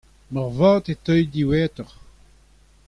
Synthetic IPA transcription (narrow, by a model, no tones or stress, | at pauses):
mɔʁvãːt̪et̪œjd̪iwɛːt̪ɔʁ